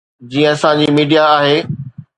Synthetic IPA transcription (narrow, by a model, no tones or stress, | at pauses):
d͡ʑiːə̃ɐsãd͡ʑiːmiːɖijaaːɦeː